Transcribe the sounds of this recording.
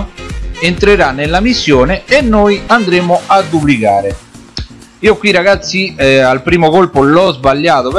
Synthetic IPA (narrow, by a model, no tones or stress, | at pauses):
ent̪ɾeɾanːelːamisːjɔːneenːoːjand̪ɾeːmʊad̪ːuplikaːɾɪ | iːokːwirːaɡat̪sːialpɾiːmokolpʊlɔzbaʎːaːt̪op